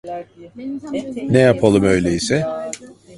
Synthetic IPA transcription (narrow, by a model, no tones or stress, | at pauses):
nɛjapʰalˠɯmø̞jlʲeisɛ